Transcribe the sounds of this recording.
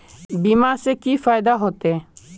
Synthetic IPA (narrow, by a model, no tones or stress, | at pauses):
bimasekifajd̪aɦot̪e